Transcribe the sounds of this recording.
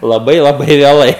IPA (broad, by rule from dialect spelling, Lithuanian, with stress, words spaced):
lˠɐˈbɐɪ lˠɐˈbɐɪ ʋʲeːˈlˠɐɪ